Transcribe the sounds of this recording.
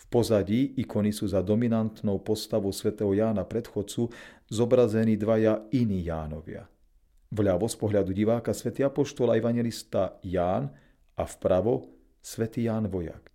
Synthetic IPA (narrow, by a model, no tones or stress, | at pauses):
fpɔzaɟiːikɔnisuːzad̪ɔminant̪nɔʊpɔst̪aʋɔʊsʋɛt̪ɛːɦɔjaːnapɾɛt̪xɔt͡suzɔbɾazɛniːd̪ʋajainiːja̰ːnɔʋɪa̰ | ʋʎaʋɔspɔɦʎad̪uɟiʋaːkasʋɛt̪iːapɔʃt̪ɔlaɛʋaɲjɛlist̪ajaːn | afpɾaʋɔ | sʋɛt̪iːjaːnʋɔja̰k